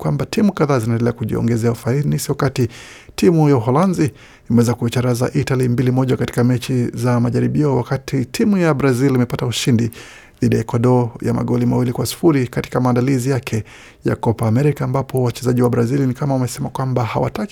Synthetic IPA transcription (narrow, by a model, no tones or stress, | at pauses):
kwambatʰimukaðaːzinaɛndɛlɛakuʄiɔ̰ŋɡɛzɛaufainisiɔakati | timujauɦɔlanzi | imɛwɛzakuit͡ʃaɾaza̰ʔitalimbilimɔʄakati̥kamɛt͡ʃizamaʄaɾiɓiɔwakatʰitʰimujabɾazilimɛpatauʃindi | ðiɗijaɛkɔɗɔja̰ma̰ɠɔlimawilikwasi̥fuɾikati̥kamaːndalizijakʰɛ | ja̰kɔpaːmɛɾikaːmbapʰɔwat͡ʃɛzaʄiwabɾazilnikamaumɛsɛmakwambaha̰wa̰tak